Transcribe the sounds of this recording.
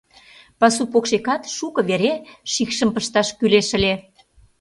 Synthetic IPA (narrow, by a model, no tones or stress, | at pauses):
pɑsupokʃekɑt̪ʃukɤ̆βeɾeʃikʃə̆mpəʃt̪ɑʃkyleʃə̆lʲe